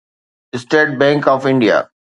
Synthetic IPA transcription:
ɪsʈeːʈ̚bɛ̃ŋkɔːfɪ̃ɳɖija̰

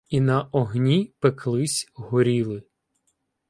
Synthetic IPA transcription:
inɐʔɔɦnʲipekʰlˠɪsʲɦʊɾʲilˠɪ

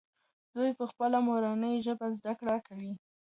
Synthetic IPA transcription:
d̪̥ujpəxpəlamoɾɑnəjʒəbazd̪akɽakawi

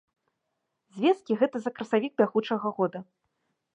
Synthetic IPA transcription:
zʲvʲɛskʲiɣɛt̪ɐzɐkɾɐsavʲiɡ̚bʲaɣut͡ʂɐɣɐɣɔd̪ɐ

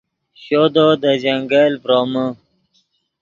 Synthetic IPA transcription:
ɕoːd̪od̪əd͡ʑaŋɡalpɾoːmə

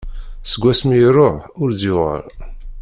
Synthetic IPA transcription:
səɡʷːæsmiɾʊħʊɾd̪jʊʁə̰ɾ

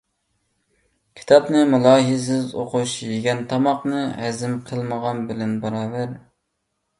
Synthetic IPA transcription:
kʲʰi̥t̪ʰɑpnɨmulˠɑːɦɨzɪzoqʊʃjeɡʲɛnt̪ʰɑmɑqnɨhɛzɪmqʰəlˠməʁɑnbɪlɪnbɑɾɑːvæɾ

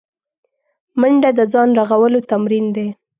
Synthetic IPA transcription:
məɳɖad̪əzɑnɾaɣawəlot̪amɾind̪e

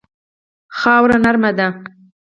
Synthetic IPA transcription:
xɑwɾanaɾmad̪a

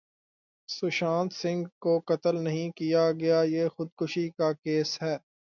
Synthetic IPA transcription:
sʊʃãːnt̪sɪ̃ŋɡkoqɐt̪əlnɐɦĩkijaɡɐjajeːxʊd̪̚kʊʃikakeːsɦɛː

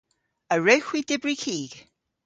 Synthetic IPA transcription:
əɹɛwxwidɪbɹikʰiːɡ̥

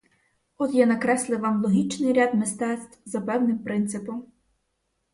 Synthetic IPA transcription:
ɔt̪janɐkɾɛslˠɪʋɑmlˠɔɦʲit͡ʃnɪjɾʲad̪mɪst̪ɛt̪st̪wzɐpɛwnɪmpɾɪnt̪sɪpɔm

